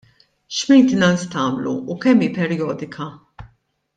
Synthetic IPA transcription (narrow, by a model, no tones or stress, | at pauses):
ʃmɛjnt̪ɪnɐnst̪ɐːmlṵːkɛmːiːpɛɾjɔːd̪ɪkʰɐ